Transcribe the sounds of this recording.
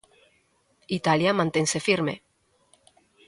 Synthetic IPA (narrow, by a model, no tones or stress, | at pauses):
it̪aljamãnt̪eŋsefiɾmḛ